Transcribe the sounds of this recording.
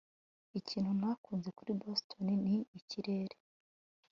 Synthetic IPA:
iciːnhunakuːnze̞kuɾibostʰo̞niniiciɾe̞ːɾe

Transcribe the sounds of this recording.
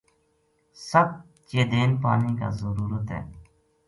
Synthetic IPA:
səb̚ | t͡ʃeːd̪eːnpaːniːka̰ːzəɾuːɾət̪ɦɛ̰ː

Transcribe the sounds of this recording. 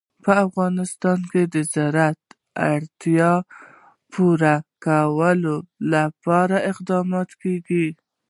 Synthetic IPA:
pəafɣɑnɪst̪ɑnked̪əzaɾat̪ | aɽt̪jɑ | pʰuɾakawəlolapɑɾaʔɪqd̪ɑmɑt̪keɡi

